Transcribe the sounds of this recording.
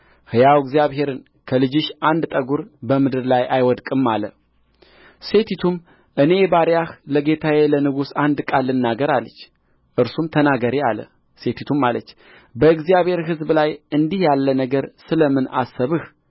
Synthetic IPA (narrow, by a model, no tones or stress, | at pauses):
hɨjawɡzijaβhe̞ɾɨn | kʰəlɨd͡ʒɨʃʔand̪t̪ʼəɡuɾbəmɨd̪ɨɾlajʔajwɔd̪kʼɨmːalə̰ | se̞t̪ʰit̪ʰum | ʔɨne̞baɾjahləɡe̞t̪ʰawelənɨɡusand̪kʼalːɨnːaɡəɾalːət͡ʃː | ʔɨɾsumt̪ʰənaɡəɾialə̰ | se̞t̪ʰit̪ʰumːalət͡ʃː | bəɨɡzijaβhe̞ɾɦɨzblajɨnd̪ihjalːənəɡəɾsɨləmːɨna̰sːəβɨh